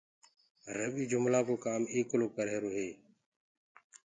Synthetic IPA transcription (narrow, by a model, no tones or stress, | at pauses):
ɾəɓiːd͡ʒʊmlaːkoːkaːmeːkloːkəɾeːɾoːɦeː